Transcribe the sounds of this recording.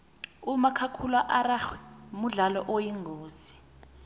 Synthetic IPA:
umakʰakʰulaʔaɾaxwi̥muɮalɔ̰ʔojiŋɡʱoːzi

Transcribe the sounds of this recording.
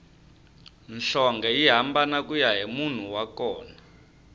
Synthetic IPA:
nɬɔŋɡɛiɦambanakujaɦimun̤uwakɔːna

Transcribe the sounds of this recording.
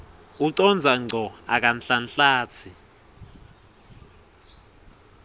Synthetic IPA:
uǀɔnd͡zʱaŋ͡ǀʱɔak̬anɬanɬaːt͡sʰi

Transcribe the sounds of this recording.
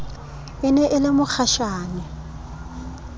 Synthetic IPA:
ɪnɛʔɪlɪmʊk͡xʰaʃaːnɛ

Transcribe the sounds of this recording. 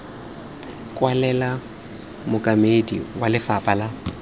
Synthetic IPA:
kʼwalɛla | mʊkʼamedḭwalɪfapʼala

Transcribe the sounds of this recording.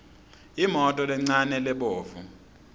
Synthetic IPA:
imɔtʼɔlɛŋ͡ǀanɛlɛɓoːvu

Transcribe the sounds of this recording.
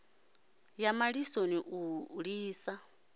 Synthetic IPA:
jamaɺisoniʔuɺiːsa

